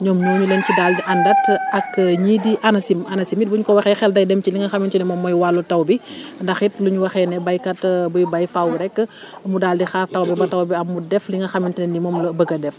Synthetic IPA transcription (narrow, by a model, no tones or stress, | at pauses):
ɲɔːmɲɔːɲulɛncidaːldiʔɐndɐtɐkɲiːdiʔɐnɐsimɐnɐsimit̚buɲukɔwɐxɛːxɛldɐjdɛmciliŋɡɐxɐmintinɛmɔmːɔjwalːutɐwbindɐxit̚luɲuwɐxɛnɛbɐjkɐtbujibɐjfawuɾɛkː | mudaːldixaːrtɐwbibɐtɐwbiɐmːudɛfliŋɡɐxɐmintinɛnimɔːmlɐbəɡɐdɛf